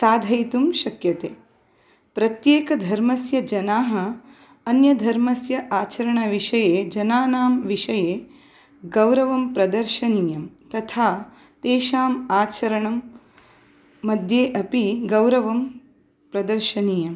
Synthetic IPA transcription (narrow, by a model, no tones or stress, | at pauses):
saːd̪ʱɐjt̪umʃɐkjɐt̪eː | pɾɐt̪jeːkɐd̪ʱɐɾmɐsjɐd͡ʒɐnaːɦɐ̆ː | njɐd̪ʱɐɾmɐsjɐʔaːt͡ʃɐɾɐɳɐʋiʃɐjeːd͡ʒɐnaːnaːmʋiʃɐjeː | ɡɐwɾɐʋɐmpɾɐd̪ɐɾʃɐniːjɐmt̪ɐt̪ʰaː | t̪eːʃaːmaːt͡ʃɐɾɐɳɐm | ɐd̪ʱjeːʔɐpiɡɐwɾɐʋɐm | pɾɐd̪ɐɾʃɐniːjɐm